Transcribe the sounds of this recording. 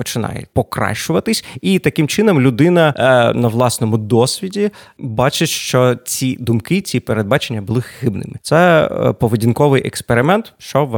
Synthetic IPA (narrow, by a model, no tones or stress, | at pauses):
pɔt͡ʃɪnɑ̰jɛ̰pɔkɾɑ̰ʃt͡ʃʊʋɐt̪ɪsʲit̪ɐkɪmt͡ʃɪnɔmlʲʊd̪ɪnɐnɐʋlˠɑsnɔmʊd̪ɔsʲʋʲidʲibɑt͡ʃeʃt͡ʃɔt͡sʲid̪ʊmkɪt͡sʲipeɾed̪bɑt͡ʃenʲːɐbʊlˠɪxxɪbnɪ̰mɪt̪sɛpɔʋedʲinkɔʋɪjʔɛkspeɾɪmɛnt̪ʃt͡ʃɔʋ